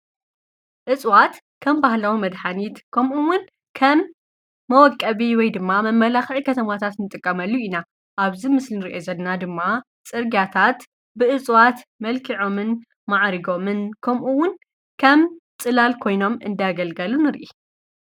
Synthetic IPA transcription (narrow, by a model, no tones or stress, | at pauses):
ʔɨt͡sʼwat̪ | kʰɐmbahlawimɐd̪ħanit̪kʰɐmʔuwʊn | kʰɐmː | ɐwɔkʼːɐβiwɔjd̪ɨmːamɐmːɐlaxʕikʰɐt̪ʰɐmat̪ʰat̪nɨt̪ʼɨkʼːɐmɐlːuina | ʔaβzimɨslinɨɾiʔo̞zɐdnad̪ɨmːa | t͡sʼɨɾɡjat̪ʰat̪ | bɨʔɨt͡sʼwat̪mɐlkʰiʕo̞mɨn | maʕɾiɡo̞mɨnkʰɐmʔuwːʊn | kʰɐmt͡sʼɨlalkʰo̞jno̞mɨ̰nd̪aɡɐlɡɐlunɨɾʔi